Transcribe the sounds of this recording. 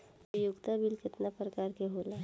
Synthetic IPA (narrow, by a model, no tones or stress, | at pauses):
jʊɡt̪abɪlkɪt̪napɾəkaːɾkeɦoːla